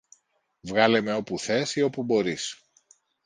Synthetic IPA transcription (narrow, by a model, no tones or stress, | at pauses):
vɣɐle̞me̞o̞puθe̞sio̞pubo̞ɾis